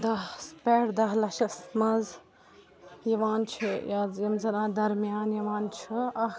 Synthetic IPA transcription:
d̪ɐspeɽd̪ɐɦlɐʃɐsmɐz | jɐʋaːnt͡ʃʰijɐzjɐmzɐnaːd̪ɐɾmjaːnjɐʋaːnt͡ʃʰiɐ

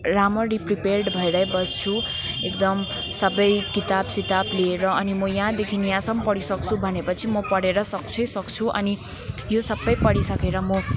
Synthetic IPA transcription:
ramʌripriperɖbʱʌeɾʌjbʌst͡sʰu | ekd̪ʌm | sʌbʌjkit̪absit̪abliːɾʌʌnimʌjʌɦãd̪ekʰinijãsʌmpʌɽisʌkt͡sʰubʱʌnepʌt͡sʰimʌpʌɽeɾʌsʌkt͡sʰʌjsʌkt͡sʰuʔʌ̰ni | josʌbʌjpʌɽisʌkeɾʌmʌ

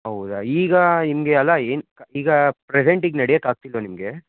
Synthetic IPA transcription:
ɦɐwud̪aiːɡɐnimɡeɐlːɐeːnkɐiːɡɐpɾeseɳʈiɡnɐɽɛjɐkaːɡ̚t̪ilʋonimɡe̞

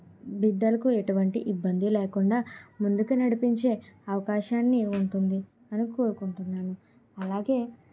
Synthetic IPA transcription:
bid̪ːɐlɐkue̞ʈuʋɐɳʈiʔibːɐnd̪ileːkuɳɖaːmund̪ukunɐɽipiɲt͡ʃe̞ːɐʋɐkaːʃaːnːiuɳʈund̪i | ɐnukoːɾukuɳʈunːaːnu | ɐlaːɡe̞ː

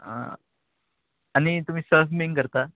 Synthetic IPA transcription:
ã̰ | añit̪um̤iːsəfmiŋkəɾt̪a

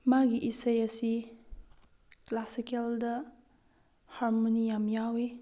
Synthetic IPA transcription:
maɡiʔisɐjɐsi | klasikeldɐ | haɾmonijamjawe

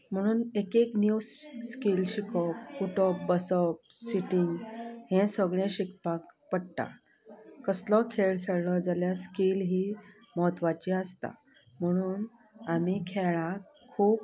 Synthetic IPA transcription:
m̤əɽ̃uːnekeknjusskilɕikʰɔpkuʈɔp̚bəsəp̚siʈiŋɡhɛ̃səɡɭẽɕikpakpəɽt̪a̰ | kəslɔkʰeɭkʰeɭlɔd͡zaljaskilɦiː | məɦət̪ːʋat͡ɕiəst̪a̰ | m̤əɽ̃uːn | amikʰeɭa | kʰːuːp̚

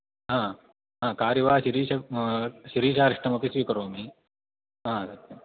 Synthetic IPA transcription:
ɦãː | ɦãːkaːɾiʋaːɕiɾiːɕɐɕiɾiːɕaːɾiʂʈɐmɐkisʋiːkɐɾoːmiː | ɦãːsɐk̚t̪ːɐ

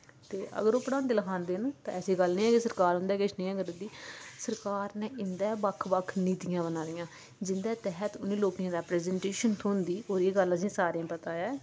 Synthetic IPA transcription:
t̪eːʔə̰ɡəɾoːpəɽãːnd̪eːləkʰãːnd̪eːnt̪ã̰ːɛːsiːɡəlnĩːɛːkisəɾkaːɾɦʊ̃ːnd̪ɛːkɪt͡ʃʰnĩːɛːɡəɾd̪iːsəɾkaːɾnɛːʔɪnd̪ɛːbəkʰːbəkʰːniːt̪ɪjãːbənaːɾɪjãː | d͡ʒɪnd̪ɛːt̪ɛɦət̪ʊnĩːloːkijãːɾɛːpɾɛːzɛ̃ːɳʈeːʃənt̪ʰoːnd̪iːoːɾeːɡələsĩːsaːɾãːpət̪aːɛː

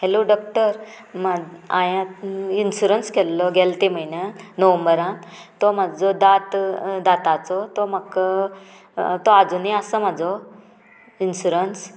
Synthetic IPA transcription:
heloɖɔk̚ʈəɾ | maã̰jãinɕuɾənskʰɛlːɔɡɛlt̪em̤əinənəʋə̃mbəɾãt̪ɔm̤ad͡zɔd̪at̪d̪at̪at͡sɔt̪ɔmək | t̪ɔad͡zuneəsəm̤ad͡zɔ | inɕuɾəns

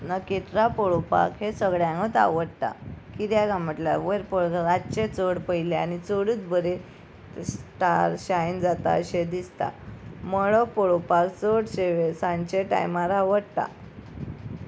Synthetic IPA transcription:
naket̪ɾapɔɭopa̰kɦesəɡɭjãŋɡət̪a̰ʋəɽt̪a̰kiɾjaɡaməʈla̰ʋəɾpəɭɡaɾatt͡ɕet͡soɽpəjleanit͡soɽuːt͡sbəɾe | ʈaɾɕajnd͡zat̪a̰əɕed̪ist̪a̰mɔɭɔpɔɭopakt͡soɽɕeʋesãɲt͡ɕeʈa̰jmaɾaʋəɽt̪a̰

